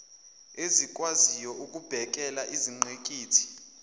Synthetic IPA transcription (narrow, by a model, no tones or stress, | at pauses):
ezik̬ʼwazijɔʔukʼub̥ʱɛk̬ʼɛlaʔiziŋ͡ǃʱekʼiːtʰi̥